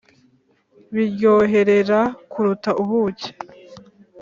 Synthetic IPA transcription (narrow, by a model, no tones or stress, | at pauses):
βiɾjo̞ːɦe̞ɾe̞ɾakuɾutaʔuβuːce̥